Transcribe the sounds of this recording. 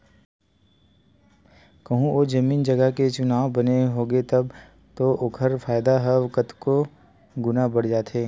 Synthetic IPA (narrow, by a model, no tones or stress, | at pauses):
kɐɦũod͡ʒɐmiːnd͡ʒɐɡəket͡ʃʊnaːwbɐneɦoːɡet̪ɐb | t̪oʔʊkʰəɾfaːjd̪aɦəʋkət̪ko | ɡʊnabɐɽ̤d͡ʒaːt̪eː